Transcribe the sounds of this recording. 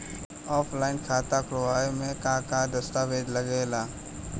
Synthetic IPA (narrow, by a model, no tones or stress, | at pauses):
ɔːflaːɪnkʰaːt̪aːkɾoʋaːemẽkãːkãːd̪əst̪aːʋeːd̪ləɡeːlaː